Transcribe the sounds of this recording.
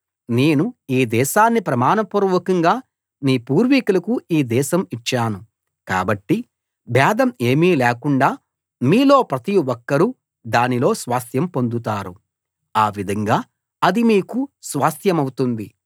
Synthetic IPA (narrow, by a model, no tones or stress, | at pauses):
ne̞ːnuiːd̪ɛːʃaːnːipɾɐmaːnɐpuɾɐʋɐkɐŋɡaː | niːpuːɾʋikulɐkuiːd̪ɛːʃɐmit͡ʃːaːnu | ka̰ːbɐʈːi | bʱɛːd̪ɐme̞ːmiːlɛːkuɳɖaː | miːlo̞ːpɾɐt̪iwɔkːɐɾu | d̪aːnilo̞ːsʋaːst̪ʰjɐmpo̞nd̪ut̪aːɾu | aːʋid̪ʱɐŋɡaː | ɐd̪imiːkusʋaːst̪jɐmɐwut̪und̪i